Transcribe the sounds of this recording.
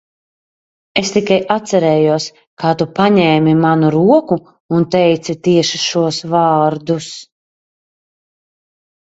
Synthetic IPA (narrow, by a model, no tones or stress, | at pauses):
est̪ikajʔat̪sɛɾɛːjuɔs | kaːt̪upaɲɛːmimanuɾuɔku | unt̪ɛjt̪sit̪iɛʃiʃuɔsvɑːɾd̪us